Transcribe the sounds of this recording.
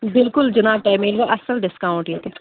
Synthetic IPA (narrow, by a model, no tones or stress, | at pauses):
bɪlkʊld͡ʒɐnaːb̚ʈaːjmeːlʋaʔɐsəlɖɪskaːʊ̃ɳʈjet̪ʰe